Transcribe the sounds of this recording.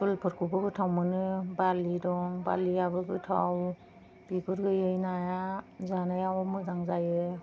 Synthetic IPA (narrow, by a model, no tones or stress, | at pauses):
ɯlpʰɯɾ̚kʰubʰɯɡɯtʰawmɯnɯbalidɔŋba̰liabɯɡɯtʰa̰w | b̥iɡɯɾɡɯjɯjnajazanajawɔmɯzaŋzajɯ